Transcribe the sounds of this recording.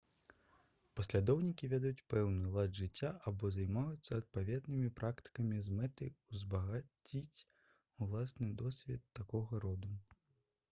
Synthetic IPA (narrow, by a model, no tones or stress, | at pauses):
pɐsʲlʲad̪ɔwnʲikʲivʲɛd̪jut͡sʲpɛwnɨlˠad̪ʐɨt͡sʲːaʔabɔzajmajut̪sːɐɐt̪̚pavʲɛd̪nɨmʲipɾʔakt̪ɨ̥kɐmʲizmɛt̪ɐjuzbɐɣat͡sʲit͡sʲ | ulˠasnɨd̪ɔsʲvʲɛt̪ːakɔɣɐɾɔd̪u